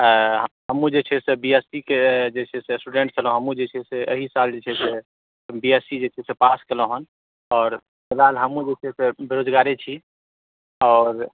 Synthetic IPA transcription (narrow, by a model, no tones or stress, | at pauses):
ɦɦəmːũd͡ʒet͡ʃʰɛsebiɛsiked͡ʒet͡ʃʰɛsesʈuɖeɳʈ̚t͡ʃʰəlõɦəmũd͡ʒet͡ʃʰɛseʔə̰ɦisald͡ʒet͡ʃʰɛse | biesid͡ʒet͡ʃʰɛsepaskelə̃ɦən | ɔːɾ | melalɦəmũd͡ʒet͡ʃʰɛsebeɾod͡ʒɡaɾet͡ʃʰi | ɔːɾ